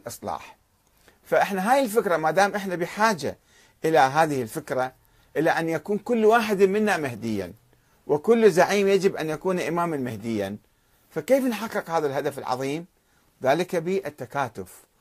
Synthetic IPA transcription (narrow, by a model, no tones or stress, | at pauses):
lʔɨsˤlɑ̰ːħ | faʔɪħnaɦaːjɪlfɪkɾˤamad̪aːmʔɪħnabɪħaːd͡ʒa̰ | ʔɪlaɦaːðɪhɪlfɪkɾˤa | ʔɪlaʔanːjakuːnkʊlːwaːħɪd̪mɪnːamɪhd̪ɪjːa̰n | wɪkʊlːzaʕiːmjad͡ʒɪbʔanjakuːnʔɪmaːmanmɪhd̪ɪjːa̰n | fakeːfnħɑqːɨqhaːðalɦad̪afɪlʕɑ̰ðˤiːm | ðaːlɪkabɪʔt̪ːakaːt̪ʊf